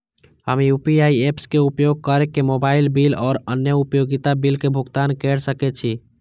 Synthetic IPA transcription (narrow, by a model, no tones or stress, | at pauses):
hə̰mjupiaiepskeupjoɡ̚kəɾekemobailbilɔːɾənjəupjoɡit̪abilkebʱuɡt̪ankɛɽsəkɛt͡ʃʰi